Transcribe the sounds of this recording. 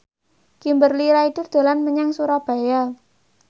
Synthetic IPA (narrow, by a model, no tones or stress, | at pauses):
ɡ̥imbərliɾaid̥̪ʊ̤rd̪̥a̤lanməɲaŋsuɾab̥a̤ja